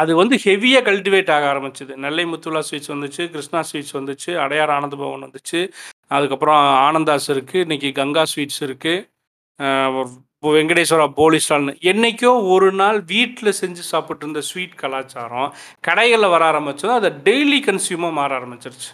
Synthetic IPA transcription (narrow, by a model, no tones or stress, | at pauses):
ɐðɯʋɐnd̪ɯhɛʋɪjaːkɐlʈɪʋeːʈːaːɣɐaːɾɐmɪt͡ʃːɐðɯnɐlːɐɪmʊt̪ːʊlaːsʋiːʈsʋɐnd̪ɯt͡ʃːɯkɪɾɪʂnaːsʋiːʈsʋɐnd̪ɯt͡ʃːɯɐɽɐjaːɾaːnɐnd̪ɐbɐ̰ʋɐ̰̃nʋɐnd̪ɯt͡ʃːɯɐðɯkːɐpːɯɾɔ̃aːnɐnd̪aːsɪɾɯkːɯɪnːɛk̬ʲːɯɡɐŋɡaːsʋiːʈsɪɾɯkːɯ | ʋɛŋɡɐɽejsɔɾaːpoːlɪsnaːlnɯɛnːɛkʲːõːɔɾɯnaːlʋiːʈːɪlɐsɛɲd͡ʒɯsaːpɪʈːɪɾɯnd̪ɐsʋiːʈkɐlaːt͡ʃaːɾõː | kɐɽɐɪɣɐɭɐʋɐɾaːɾɐmbɐt͡ʃːɐnːaːɐðɐɖɛɪlikɐnsjuːmɐmaːɾaːɾɐmbɪt͡ʃːɪɾɯt͡ʃːɯ̥